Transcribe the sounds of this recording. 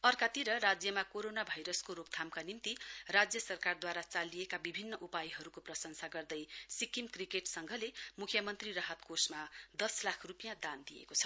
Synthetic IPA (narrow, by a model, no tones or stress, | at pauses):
ʌrkat̪iɾʌɾad͡zjʌmakoɾonabʱajɾʌskoɾop̚t̪ʰamkanimt̪irad͡zjʌsʌrkard̪waɾat͡salijekabibʱinːʌʔupajɦʌɾukoprʌsʌŋsaɡʌrd̪ʌjsikimkrikeʈsʌŋɡʱʌlemukʰjʌmʌnt̪rirʌɦʌt̪kosmad̪ʌslakʰrupijãd̪and̪ijḛkot͡sʰʌ̥